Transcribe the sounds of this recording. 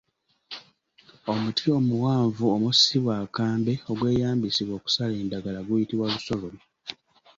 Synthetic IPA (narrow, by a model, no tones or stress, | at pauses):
o̞mutʰio̞muwaːɱvuomusiβwaːkaːmbe̞o̞ɡwe̞ːjaːmbisiβwo̞ːku̥sale̞ːndaɡalaɡujitiβwaluso̞lom